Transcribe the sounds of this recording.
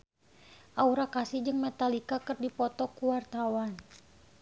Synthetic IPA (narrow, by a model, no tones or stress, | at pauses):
ʔauɾakasid͡ʒɨŋmɛt̪alikakɨrdipɔt̪ɔkuwart̪awan